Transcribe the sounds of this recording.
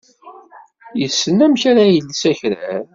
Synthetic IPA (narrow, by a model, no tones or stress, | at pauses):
jəsːənːæmçaɾajəlːsæçɾæ̰ɾ